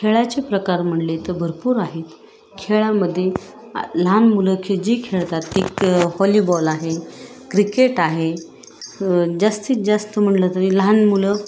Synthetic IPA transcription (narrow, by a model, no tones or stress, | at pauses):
kʰeɭat͡ɕepɾəkaɾm̤əɳlet̪əɾbʱəɾpuːɾaɦet̪ | kʰeɭaməd̪ʱːje | lanmuləkʰed͡ʑiːkʰeɭt̪at̪ːikhɔlibɔlaɦe | kɾikeʈaɦe | d͡zast̪iːt͡sd͡zast̪əm̤əɳlət̪əɾilanmulə